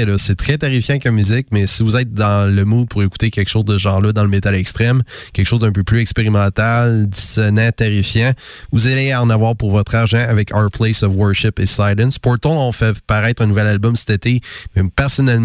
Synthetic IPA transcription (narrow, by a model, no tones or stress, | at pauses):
ɛlɔsɛt̪ʁɛt̪aʁifjãkamyzɪkmɛsivuzɛɪt̪̚d̪ɑ̃ləmud̪̚pʰuʁeku̥t̪ekʲɛkʃoʊzd̪əsəʒɑ̃lɔd̪ɑ̃ləmet̪alɛkst̪ʁɛmkʲɛlkəʃoʊzd̪œ̃pøplyzɛkspeʁimɑ̃t̪ald̪i̥sɔnɛ̃t̪aʁifjɑ̃ | vuzaleaɑ̃ːnavwaːʁpuʁvɔt̪χaʁʒɑ̃avɛkʰa̰pʰlɛsɔvwɜ˞ʃɪpesajlɛ̃nspɔt̪ɔ̃ɔ̃fɛpaʁɛɪt̪χɛ̃nuvɛlalbɔmsɛ̥t̪et̪emɛpɛʁsɔnɛl